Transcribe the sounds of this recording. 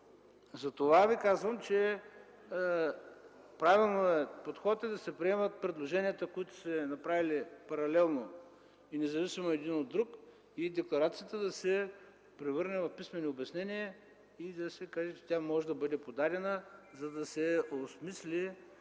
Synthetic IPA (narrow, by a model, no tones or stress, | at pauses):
zɐt̪ovavikazvəmt͡ʃɛ | pɾavilˠnoɛpot̪xɔt̪ɛd̪ɐsɛpɾiɛmət̪̚pɾɛd̪lˠoʒɛnijət̪əkoit̪ʊ̥sɛnɐpɾavilipɐɾɐlɛlˠno | inɛzɐvisimoɛd̪inod̪ːɾuk | id̪ɛklˠɐɾat̪sijət̪əd̪ɐsɛ | pɾɛvɤɾnɛvɐfpismɛniobʲɛsnɛnie | id̪ɐsɛkaʒɛt͡ʃɛ̥t̪ʲjamɔʒɛd̪ɐbɤd̪ɛpod̪aɾɛnəzɐd̪ɐsɛosmislʲi